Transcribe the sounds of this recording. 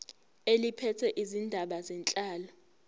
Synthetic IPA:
elipʰɛtʰɛʔizindʱaɓazɛnt͡ɬʼaːlɔ

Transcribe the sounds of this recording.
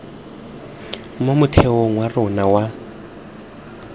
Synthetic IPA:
momutʰɛɔŋwarɔnawa

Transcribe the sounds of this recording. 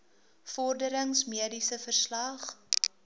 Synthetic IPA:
fɔrdəɾəŋsmiədisəfərslɐχ

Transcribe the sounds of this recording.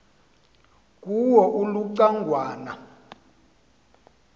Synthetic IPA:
k̬ʼuwɔʔuluǀaŋɡʱwaːna̰

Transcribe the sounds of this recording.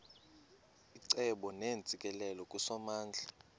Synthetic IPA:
iǀɛɓɔneːnt͡sʼikʼɛlɛlɔkʼusɔmaːnd͡ɮʱa

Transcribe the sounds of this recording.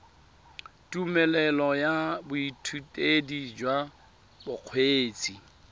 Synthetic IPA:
tʼumɛlɛlɔjabʊitʰutʼedid͡ʒwa | bʊq͡χʰweːt͡sʼi

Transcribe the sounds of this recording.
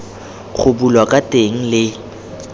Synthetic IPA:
χʰʊbulwakʼatʼeŋ̩lɪ

